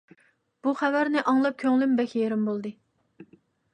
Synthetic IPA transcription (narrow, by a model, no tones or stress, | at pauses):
b̥uχævæɾnɨʔɑŋlˠɑp̚kʲʰøŋlymbɛkʲjeɾɪmbolˠd̪ɨ